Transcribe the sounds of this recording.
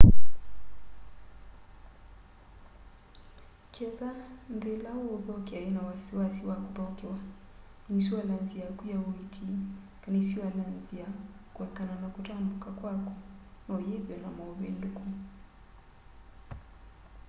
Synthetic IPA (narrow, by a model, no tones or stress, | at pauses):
kʰɛðambɛlauɔðɔkiainawasiwasiwakuðakɛwa | nisiwalanziakujauitʰi | kanisiwalanziakuwɛkananakutambukakwakɔnaujɛðjɔnamauβɛnduku